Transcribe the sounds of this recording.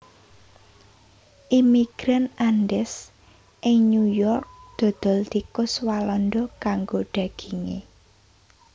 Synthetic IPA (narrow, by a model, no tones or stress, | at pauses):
ʔimiɡ̥ɾanʔanɖɛs | ʔɪŋɲujɔrk̚d̪̥ɔ̤d̪̥ɔ̤lt̪ikʊswalɔnɖ̪ɔkaŋɡoɖ̥ä̤ɡ̥iŋḛ